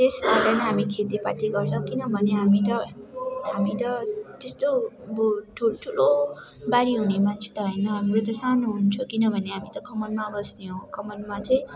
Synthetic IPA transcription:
t̪esbaɾʌnʌɦamikʰet̪ipaʈ̪iɡʌrt͡sʰʌ̃kinʌbʱʌneɦamit̪ʌɦamit̪ʌt̪est̪obʌʈʰʈʰulo | baɾiɦunemant͡sʰe̥t̪ʌɦʌjnʌɦamiɾot̪ʌsanoɦunt͡sʰukinʌbʱʌneɦamit̪ʌkʰʌmʌnmabʌsneɦõkʰʌmʌnmat͡sʌĩ

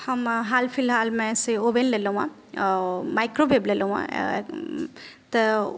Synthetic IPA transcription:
həmɦalpʰilɦalmẽsiobenlelõa̰ | majkɾobʱeblelõã̰ | t̪ə

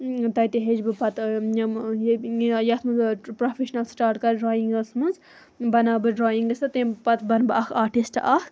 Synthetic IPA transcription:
t̪ɐjt̪iɦed͡ʒbɨpɐt̪ | jjɐt̪ʰmunzpɾofʰeʃnɐlsʈaːɾʈkɐɾɖɾoːjiŋɡɐsmunz | bɐnaːbɨɖɾoːjiŋɡdɐst̪ɐt̪ẽpɐt̪bɐnbɨʔɐkʰaːʈisʈʔɐk

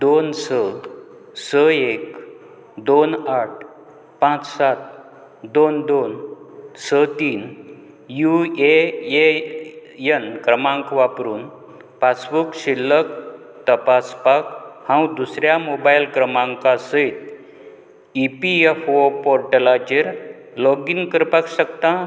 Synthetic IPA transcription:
d̪onsə | səek | d̪onaʈ̚ | pãt͡ssat̪̚ | d̪ond̪onsət̪iːn | juee | jənkɾəmãŋkʋapɾuːn | pasbukɕilːək̚ | t̪əpaspakhãwũd̪usɾjamobajilkɾəmãŋkasəit̪ | ipiefopɔɾʈəlad͡ʑiɾ | lɔɡiŋkəɾpakɕəkt̪ã

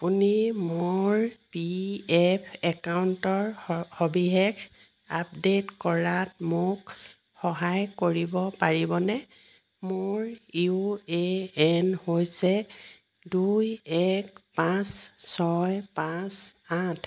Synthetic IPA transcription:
unimoɹpiɛpʰɛkawntɔɹhobiɦɛkʰ | apdetkɔɹatmʊk | xɔɦajkoɹibɔpaɹibɔnɛ | mʊɹjueɛnhojsɛ | dujɛkpãssɔjpãsatʰ

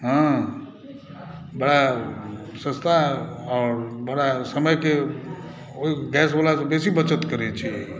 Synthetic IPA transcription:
ɦã | bəɽa | sə̃st̪ʰaɔːɾbəɽasəməjke | oɦiɡɛsbəlasbesibət͡ʃət̪kəɾɛt͡ʃʰi

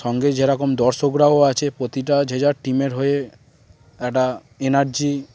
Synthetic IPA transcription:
ʃɔŋɡed͡ʑeɾɔkomd̪ɔɾʃokɾaoat͡ɕʰepɾot̪iʈad͡ʑʱed͡ʑaɾʈimeɾɦoe | ɛk̚ʈa | enaɾd͡ʑi

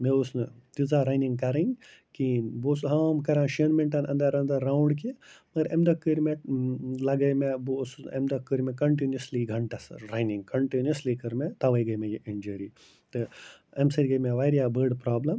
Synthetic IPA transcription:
meusnɨt̪izaɾɐjniŋɡkɐɾɐ̃nkinbosɦaːmkɐɾãːʃɐnmeɳʈɐnɐnd̪ɐɾɐnd̪ɐɾːawɳɖk̬imɐɡɐɾɐmd̪ɐkːəɾmelɐɡɐjmebosɐmd̪ɐkːɨɾmekɐɳʈ̬injɐsliɡʱɐɳʈɐsɐɾɐjniŋɡkɐɳʈinjɐslikɐɾmet̪ɐʋɐjɡɐjmẽjiʔind͡ʒɐɾi | t̪ɨɐmsɐɾʲɡɐjmeʋaɾjabəɾɖpɾaːblɐm

